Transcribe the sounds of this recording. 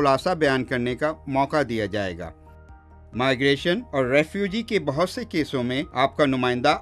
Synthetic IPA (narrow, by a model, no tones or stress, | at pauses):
ʊlaːsabɐjaːnkɐɾnekamɔːqad̪ijad͡ʒaːḛːɡa̰ː | maːɪɡɾeːʃənɔːɾːɛːfjuːd͡ʒikebɐɦʊt̪sekeːsõmẽaːp̚kanʊmaːɪ̃nd̪a